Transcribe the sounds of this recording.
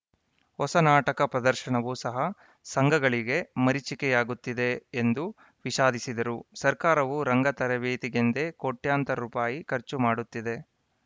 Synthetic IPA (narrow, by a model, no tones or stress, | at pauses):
hɔsɐnaːʈɐkɐpɾɐd̪ɐɾʃɐɳɐʋusɐɦɐ | sɐŋɡʱɐɡɐɭiɡe̞mɐɾit͡ʃikɛjaːɡut̪ːid̪e̞ːnd̪u | ʋiʃaːd̪isid̪ɐɾusɐɾkaːɾɐʋuɾɐŋɡɐt̪ɐɾɐʋeːt̪iɡend̪e̞koʈjaːnt̪ɐɾɾuːpaːjikɐɾt͡ʃumaːɽut̪ːid̪e̞